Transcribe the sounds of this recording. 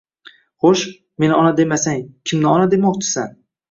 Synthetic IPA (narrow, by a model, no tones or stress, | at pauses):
χoʃ | me̞nɪɒnad̪e̞masaŋkʲʰɪmnɪɒnad̪e̞mɒq̚t͡ʃʰɪ̥san